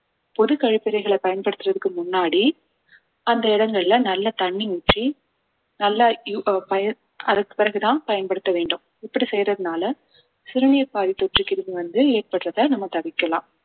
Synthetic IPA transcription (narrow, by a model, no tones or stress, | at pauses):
pɔðɯkɐɻɪpːɪɾɐɪɣɐɭɐpɐjɐnpɐɽɯt̪ːɯrɐðɯkːɯmʊnːaːɽi | ɐnd̪ɐɪɽɐŋɡɐɭɪlɐnɐlːɐt̪ɐɳːinɪʈri | nɐlːɐpɐjɐ | ɐðɐkːɯ̥pɪɾɐɣɯt̪ãːnpɐjɐnpɐɽɯt̪ːɐʋeːɳɖɯm | ɪpːɐɽisɛjɾɐðɯnaːlɐ | sɪɾɐnɪjɐɾpaːðit̪ːɔʈrɯkːɪɾɯmiʋɐnd̪ɯeːr̚pɐɽrɐðɐnɐmːɐt̪ɐʋɪkːɐlã̰ːm